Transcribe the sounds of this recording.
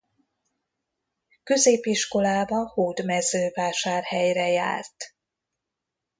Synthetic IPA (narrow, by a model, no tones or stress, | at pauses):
kø̞zeːpiʃko̞laːbɒhoːd̪mɛzøːvaːʃaːrhɛjrɛja̰ːrt̪